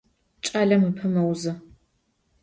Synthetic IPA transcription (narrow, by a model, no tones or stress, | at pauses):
t͡ʃʼaɮɐmɨpʰɨmɐwzɨ